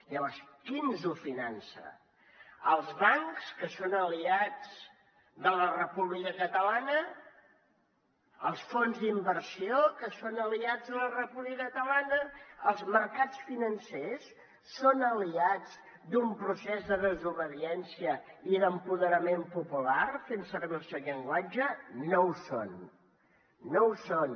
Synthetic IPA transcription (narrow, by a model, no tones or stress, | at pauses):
ləβɔɾskinzufinansə̰ | əlˠzβaŋkskəsonəliad͡z | d̪ələrəpuβlikəkət̪əlanə | əlˠsfonzd̪imbərsiokəsonəliad͡zðələrəpuβlikəkət̪əlanəəlˠzməɾkat͡sfinənsesː | onəliad͡z | d̪umpɾusɛzðəðəzuβəðiɛnsiəiðəmpuðəɾəmempupularfensərβəlsəʎəŋɡwad͡ʒənowso̰n | owson